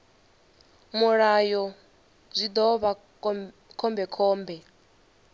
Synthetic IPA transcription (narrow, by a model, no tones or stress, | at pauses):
muɺajɔ | b͡ʐʷid̪ɔβa | kʰɔmbɛkʰɔːmbɛ